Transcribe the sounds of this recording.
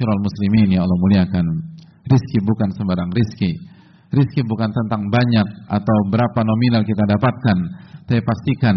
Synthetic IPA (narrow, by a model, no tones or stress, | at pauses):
uɾalmusliminjalɔmuliakan | riskibukansəmbaɾaŋriski | riskibukant̪ənt̪aŋbaɲak̚ʔa̰t̪awbəɾapanominalkit̪adapat̪̚kant̪apipast̪ikan